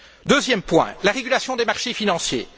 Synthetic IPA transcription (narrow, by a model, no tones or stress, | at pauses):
d̪øzjɛmpwɛ̰̃laʁeɡʲylasjɔ̃d̪emaʁʃefinɑ̃sjḛ